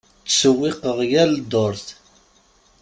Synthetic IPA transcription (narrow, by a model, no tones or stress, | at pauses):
t͡sːsəwːɪqəʁjæld̪oɾθ